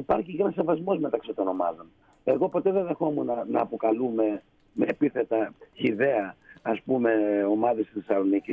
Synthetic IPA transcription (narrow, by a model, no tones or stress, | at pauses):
ipɐɾçicenɐs̬evɐzmo̞zme̞t̪ɐksit̪o̞no̞mɐ̰ðo̞n | e̞ɣo̞po̞t̪eðenðe̞xomunɐnɐ̰ːpo̞kɐlume | meːpiθe̞t̪ɐçiðe̞ɐːspume̞o̞mɐðest̪iθsθesɐlo̞nici